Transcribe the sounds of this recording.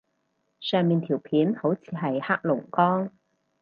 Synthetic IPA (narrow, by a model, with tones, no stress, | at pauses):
sœː˨ŋmiː˨nt̪ʰiː˨˩wpʰiː˨˥nho˨˥wt͡sʰiː˨˧ɦɐ˨jhaː˥k̚lʊ˨˩ŋkɔː˥ŋ